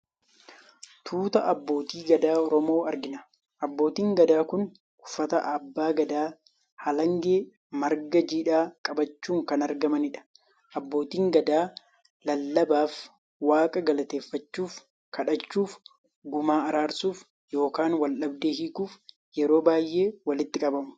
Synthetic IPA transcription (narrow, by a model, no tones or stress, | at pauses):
t̪ʰuːt̪ɐʔɐbːo̞ːt̪iːɡɐd̪aːɔɾɔmo̞ːɐɾɡɪnɐ | ʔɐbːo̞ːt̪iːŋɡɐd̪aːkʊn | ʊfːɐt̪ɐʔɐbːaːɡɐd̪aː | hɐlɐŋɡeː | mɐɾɡɐd͡ʒiːᶑaːkʼɐbɐt͡ʃːuːŋkɐnɐɾɡɐmɐnɪᶑɐ̥ | ʔɐbːo̞ːt̪iːŋɡɐd̪aː | lɐlːɐbaːf | waːkʼɐɡɐlɐt̪e̞ːfːɐt͡ʃːuːf | kʰɐᶑɐt͡ʃːuːf | ɡʊmaːɐɾaːɾsuːf | jo̞ːkaːnwɐlʔɐbd̪eːhiːkuːf | jɛɾo̞ːbaːjʔe̞ːwɐlɪt̪ːɪkʼɐbɐmʊ̥